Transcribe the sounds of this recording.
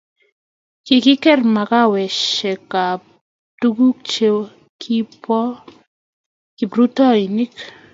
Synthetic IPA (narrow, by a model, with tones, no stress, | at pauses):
kɪ˨kɪ˦kɛ˦rma˨ka˦wɛ˨ʃɛ˨ka˨ | tu˦ɡu˦k̚t͡ʃe˦ | kʰi˦pɔ˦ | ki˨pɾu˦tɔ˦i˨ni˦k